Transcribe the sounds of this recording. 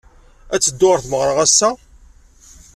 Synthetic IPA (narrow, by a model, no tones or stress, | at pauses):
æt͡sːəd̪ːʊɾθməʁɾˤəʁæsːæ